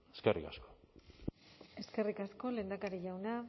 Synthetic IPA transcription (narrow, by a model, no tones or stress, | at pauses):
eskerikasko̥ | e̞ske̞rikasko̞le̞ːnd̪akaɾiʝawna